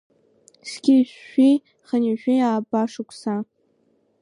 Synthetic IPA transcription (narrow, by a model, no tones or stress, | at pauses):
sɡʲiʃi | χəniʒᶣiaːbaʂɨkʷʰʼsa